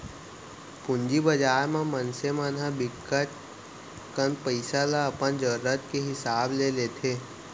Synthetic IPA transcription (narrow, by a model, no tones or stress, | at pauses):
pʊ̃nd͡ʒibəd͡ʒaːɾmãmənsemanɦãbɪkːət̪ | kənpəɪsalaəpənd͡ʒəɾːət̪keɦɪsaːblelet̪ʰeː